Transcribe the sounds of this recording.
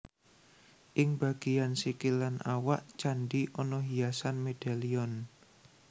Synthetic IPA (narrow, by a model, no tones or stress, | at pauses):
ʔɪŋb̥aɡ̥ijansikilanʔawaʔt͡ʃaɳɖiʔɔnɔɦiasanmed̥aliɔn